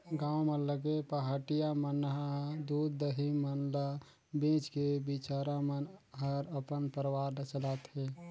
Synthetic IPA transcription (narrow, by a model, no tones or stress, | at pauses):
ɡãwmələɡepəɦaʈijamənɦad̪ud̪ːəɦimənlə | bẽt͡ʃkebit͡ʃaɾamənɦəɾəpənpəɾwaɾlət͡ʃəlat̪ɦe